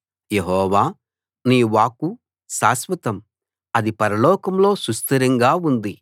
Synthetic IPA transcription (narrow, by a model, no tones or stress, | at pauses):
jeɦɔːʋaː | niːʋaːku | saːsʋɐt̪ɐm | ɐd̪ipɐɾɐlɔːkɐmlo̞ːsust̪ɐɾɐŋɡaːund̪i